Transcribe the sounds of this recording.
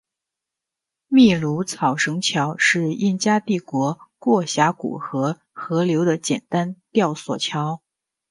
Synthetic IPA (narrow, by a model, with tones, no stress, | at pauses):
mi˥˩lu˧˥t͡sʰɑ˨˩ʊʂɤ˧˥ŋt͡ɕʰjɑ˧˥ʊʂɻ̩˥˧i˥˩nt͡ɕja˥t̪i˥˩kwɔ˧˥kwɔ˥˩ɕja˧˥kṵ˨˩xɤ˧˥ | xɤ˧˥ljo˧˥ʊd̪ə˧t͡ɕjɛ˨˩nt̪a˥nt̪jɑ˥˩ʊswɔ̰˨˩t͡ɕʰjɑ˧˥ʊ